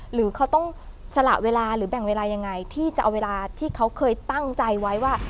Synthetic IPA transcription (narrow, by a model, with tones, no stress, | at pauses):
ɾɯː˩˦kʰa˦˥wt̪ɔ˥˩ŋ | t͡ɕʰa˧la̰˨˩ʔweː˧laː˧ɾɯː˩˦bɛ˨˩ŋweː˧laː˧ja˧ŋːa˧jt̪ʰiː˥˩t͡ɕa˨ʔa˧weː˧laː˧t̪ʰiː˥˩kʰa˦˥wkʰɤː˧jt̪a˥˩ŋt͡ɕa˧jwa˦˥jwaː˥˩